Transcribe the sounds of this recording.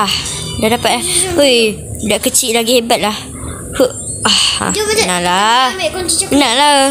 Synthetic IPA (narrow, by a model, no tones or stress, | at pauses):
ah | dadapat̪̚lahoj | daʔkət͡ʃiʔlaɡihebat̪̚lah | kuʔ | aha̰nala | naʔla